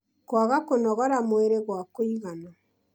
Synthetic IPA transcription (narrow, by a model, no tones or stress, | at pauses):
kwaɣakonɔɣɔɾamweɾeɣwakoiɣanɔ